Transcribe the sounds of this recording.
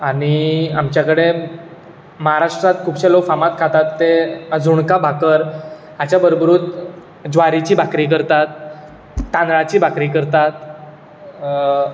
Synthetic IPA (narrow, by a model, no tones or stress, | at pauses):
aɽ̃iamt͡ɕjakəɽe | məɦaɾaʂʈɾat̪̚kʰuːbɕelofamat̪kʰat̪at̪ːeəd͡zuɳkabʱakəɾ | at͡ɕjabəɾobɾuːt̪ | d͡zʋaɾit͡ɕiːbʱakɾiːkəɾt̪at̪̚ː | ãnɾat͡ɕiːbʱakɾiːkəɾt̪at̪̚